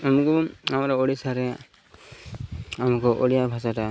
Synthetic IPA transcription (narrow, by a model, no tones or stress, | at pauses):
amukɔamaɾɔoɽisaɾɛ | amukɔʔolijabʱasata